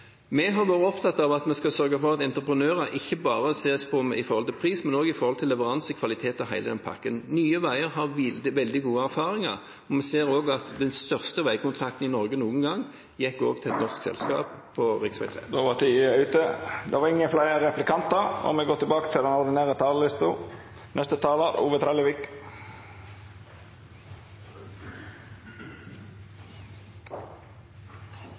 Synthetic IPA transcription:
mɛɦɑɾʋoːɾəɔpt̪ʰɑt̪ːɑʋɑt̪mɛskɑsœɾɡəfɔʁɑt̪ɛnt̪ɾəpɾənøːɾəʔɪçːəbɑːʁəseːspʰɔmɪfɔɾhɔlt̪ɪlpʰʁiːsmɛnoːɡɪfɔɾʁhɔlt̪ʰɪlːɛʋəʁɑnsəkʰʋɑlɪt̪ʰeːt̪ɔɦæɪləd̪ɛnpʰɑ̰kːənnyːəʋæɪəɾɦɑʁʋ̪d̪ɪʋɛld̪ɪɡuːəæɾfɑːʁɪŋɑ̰ʁ | ɔmɛseːɾoːɡɑt̪d̪ɛnst̪œʁst̪əʋæɪkʊnt̪ʰʁɑk̚t̪n̩ɪnɔɾɡənuːənɡɑŋː | jɛkːo̰ːɡ̚t̪ʰɪlɛt̪nɔʁsksɛ̰lskɑ̰ːppʰːɔʁɪksʋæ̰ɪt̪ʰʁḛːd̪oʋɑt̪ʰiːʉːt̪əd̪ɛʋɑʁɪŋːənflæɪəʁɛplɪkʰɑnt̪əɔ̰mɛɡoːt̪ːɪbɑːkə̥t̪ʰɪld̪ɛnɔd̪ɪneːʁət̪ʰɑːllɪst̪ʊ | nɛst̪ət̪ʰɑːləuːʋət̪ʰɾɛːləʋɪk

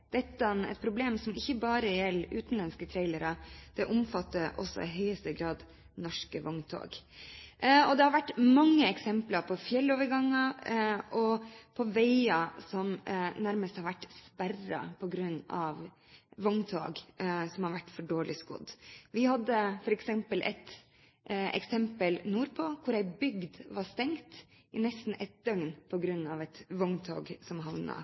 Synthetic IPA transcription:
d̪̥ɛt̪ːnɛ̰t̪̚pʰɾʊbleːmsɔmɪçːəbɑːɾəjɛlːʉ̰ːt̪nlɛnskət̪ʰɾæɪləɾɑd̪̥ɛʔʊmfɑt̪ːəɾʔɔ̰sːɔ̰ɪɦœʏəst̪əɡɾɑːd̪ | nɔʂkəʋɔŋt̪ʰo̰ːɡ | ɔd̪ɛhɑɾʋæʈːmɑŋːəɛksɛmplɑɾpʰɔfjɛlːoːʋəɾɡɑŋːɑʔɔpʰɔʋæɪɑsɔmnæɾməst̪hɑɾʋæʈspærɑ̰pʰɔɡɾʉnːɑʋ | ʋɔŋt̪ʰo̰ːɡsɔmhɑɾʋæʈːfɔɖoːɭɪskʊ̰d̪ʋɪhɑd̪ːəfɔɾɛksɛmpəlʔɛ̰t̪ | ɛ̰ksɛmpəlnuːɾpʰɔkʰʊɾæɪbʏɡd̪ʋɑst̪ɛŋt̪ | ɪnɛst̪n̩ʔɛt̪̚d̪œŋnpʰɔɡɾʉnːɑʋɛt̪ʋɔŋt̪ʰo̰ːɡsɔmɦɑʋnɑ̰

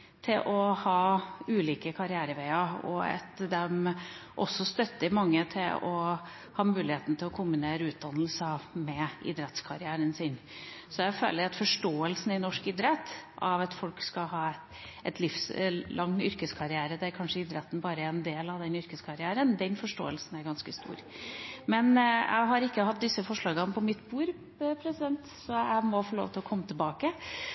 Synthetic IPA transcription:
t̪ʰɪlʔɔhɑːʉːliːkəkʰɑɾɪæːɾəʋæɪɑɔ̰ɑ̰t̪d̪ɛmʔɔ̰sːɔst̪œt̪ːəɾmɑŋːət̪ʰɪlɔ | hɑːmʉːlɪheːt̪n̩t̪ʰɪlɔkʰʊmʉneːɾʉːt̪̚d̪ɑnːəl̩səmɛɪ̰d̪ɾɛt̪skʰɑɾɪæːɾənsɪn | sɔæɪfø̰ːləɾɑt̪fɔʂʈoːəlsn̩ɪnɔʂkɪd̪ɾɛt̪ːʔɑʋɑt̪fɔlkskɑɦɑː | ɛt̪ʰlɪfslʔɑŋːʏɾkəskʰɑɾɪæːɾəd̪ɛæɾkʰɑnʂəɪd̪ɾɛt̪ːn̩bɑːɾəɛnd̪eːlɑʋd̪ɛnʏɾkəskʰɑɾɪæːɾənd̪ɛnfɔʂʈo̰ːəlsn̩æɾɡɑnskəst̪ṵːɾ | mɛnjʔæ̰ɪɦɑɾɪkːəhɑt̪̚d̪ɪsːəfɔʂɭɑːɡənpʰɔmɪt̪ːbuːɾ | pʰɾɛsɪd̪ɛnt̪ | sɔæɪmɔfoːlo̰ːʋt̪ʰɪlɔkʰɔmːət̪ʰɪbɑːkə

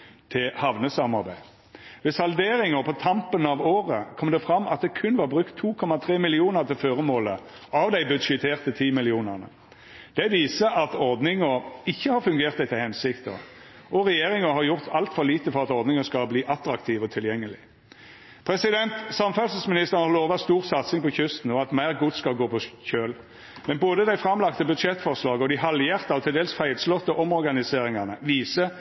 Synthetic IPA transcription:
t̪ʰɪlhɑʋnəsɑmɑɾbæɪ | ʋɪsɑld̪eːɾɪŋəpʰɔt̪ʰɑmpənɑʋoːʁəkʰɔmd̪ɛfʁɑmʔɑt̪̚d̪ɛkʰʉnʋɑːʁbʁʉkt̪ʰːuːkʰɔmɑt̪ʰʁeːmɪlɪuːnəʁt̪ʰɪlføːʁəmoːlə | ɑʋd̪æɪbʉd̪ʃɪt̪ʰeːʁt̪ət̪ʰiːmɪlɪuːnæʁnə̰ | d̪̥ɛʋiːsəʔɑt̪ɔʁd̪nɪŋəɪçːəhɑʁfʉŋɡeːʁt̪d̪ɛt̪ʰːɛhɛnsɪkt̪ə̰ | ʔɔɾɛjeːʁɪŋəɦɑʁjʊʁt̪ʰɑlt̪fɔɾliːt̪əfɔʁɑt̪ɔʁd̪nɪŋəskɑlbliːʔɑt̪ɾɑkt̪ʰiːʋɔt̪ʰɪljɛŋːəlɪ | pʰʁɛsɪd̪ɛnt̪sɑmfœlsəsmɪnɪst̪əʁnhɑʁloːʋɑst̪uːʁsɑt̪sɪŋpʰɔçʉst̪n̩ɔɑt̪mæɪʁɡʊt̪skɑlɡoːpʰɔçøːl | mɛnboːd̪əd̪æɪfɾɑmlɑkt̪əbʉd̪ʂɛt̪ːfɔʁʂlɑːɡəɔd̪ɪhɑljeːʁt̪əɔt̪ʰɪld̪eːlsfæɪlslɔt̪ːəʔɔmɔɾɡɑnɪseːɾɪŋɑnəʋiːsə

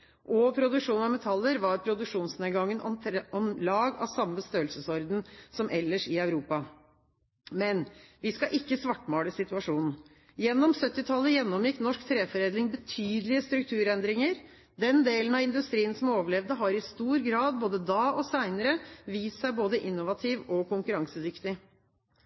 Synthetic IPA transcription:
ʔɔpʰɾʊd̪ʉkʂuːnɑʋmɛt̪ʰɑlːəɾʋɑɾpʰɾʊd̪ʉkʂuːnsneːɡɑŋːənɔ̰mʰɔmlɑːɡɑ̰ʋsɑmːəst̪øːlsəsɔɾd̪n̩sɔmʔɛlːəʂɪœʉɾuːpɑ | mɛnʋɪskɑʔɪkːəsʋɑʈːmɑːləsɪt̪ʉɑʂuːnn̩ | jɛnːɔmsœt̪ːɪt̪ʰɑlːəjɛnːɔmjɪkːnɔʂkt̪ʰɾeːfɔɾeːd̪lɪŋbət̪ʰyːd̪əlɪəst̪ɾʉk̚t̪ʰʉːɾɛnd̪ɾɪŋəɾ | d̪ɛnd̪eːlənɑʋɪnd̪ʉst̪ɾiːənsɔmoːʋəɭɛʋd̪əɦɑɾɪst̪uːɾɡɾɑːd̪̚boːd̪əd̪ɑːʔɔsæɪnəɾəʋiːssæɪboːd̪əʔɪnːʊʋɑt̪ʰiʋɔkʰʊŋkʉɾɑŋsəd̪ʏkt̪ɪ

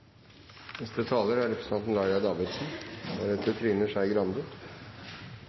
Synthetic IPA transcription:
nɛst̪ɾət̪ʰɑːləɾæɾɛpə̥sɑnt̪n̩lɑɪɾɑd̪ɑːʋɪd̪sn̩næɾɛt̪ʰət̪ʰɾiːnəʂæɪɡɾɑnd̪ə

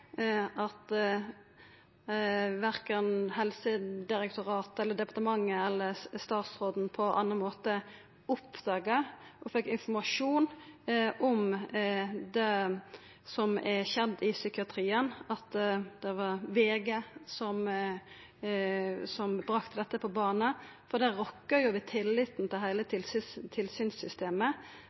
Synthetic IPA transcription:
ɑt̪ | ʋæɾkənhɛlsəd̪ɪɾɛkt̪ʊɾɑːt̪ɛlːəd̪ɛpɑʁt̪əmɑŋːəɛlːəst̪ɑːt̪sɾoːd̪n̩pʰɔʔɑ̰nːəmoːt̪ə | ʊpːd̪̥ɑːɡəʔɔfɛkːɪnfɔmɑʂuːnʔɔm | d̪ɛ | sɔmɛɕɛnd̪ɪsʏkɪɑt̪ʰɾiːənɑt̪d̪̥ɛʋɑɾʋeːɡesɔm | sɔmbɾɑkt̪əd̪ɛt̪ːəpʰɔbɑːnəfɔd̪ɛɾɔkːəjʊʋɪt̪ʰɪlːɪt̪n̩t̪ʰɪlɦæɪlət̪ʰɪlt̪ʰɪlsyːnsʏst̪eːmə

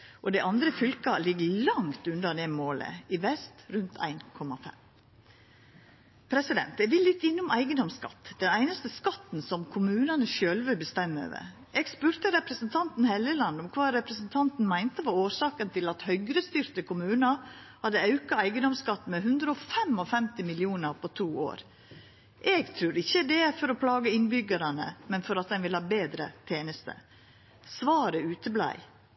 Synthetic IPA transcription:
ʔɔd̪æɪʔɑnd̪ɾəfʏlkɑlɪɡəlɑŋt̪ʉnd̪ɑd̪ɛmoːlə̰ɪʋɛst̪ɾʉnt̪ʰæ̰ɪnkʰɔmɑfɛ̰m | pʰɾɛsɪd̪ɛ̰nt̪ɛʋɪlːɪt̪ːɪnːʊmæɪɡənd̪ɔmskɑ̰t̪ːd̪̥ɛnæɪnɑst̪əskɑt̪n̩sɔmkʰʊmʉːnɑnəʃøːlʋəbəst̪ɛmːə̰ʋə̰ | ʔɛɡspʉːɾt̪əɾɛpɾəsnt̪ʰɑnt̪n̩hɛləlɑnd̪ɔmkʰʋɑːɾɛpɾəsn̩t̪ʰɑnt̪n̩mæɪnt̪əʋɑɾoːɾsɑːkənt̪ʰɪlɑt̪hœʏɡɾəst̪ʏɾt̪əkʊmʉːnɑhɑd̪əɑʉkɑæɪɡəd̪ɔmskɑt̪ːmɛɦʉnd̪ɾəɔfɛmɔfɛmt̪ɪmɪlɪuːnəɾpʰɔt̪ʰuːo̰ːɾ | ʔɛɡt̪ʰɾʉːɾɪçːəd̪ɛfɔɾɔpʰlɑːɡəɪnbʏɡəɾɑnə̰mɛnfɔɾɑt̪̚d̪ɛnʋɪlhɑːbeːd̪ɾə̰t̪ʰeːnəst̪ə̰ | sʋɑːɾəʉːt̪əblæ̰ɪ

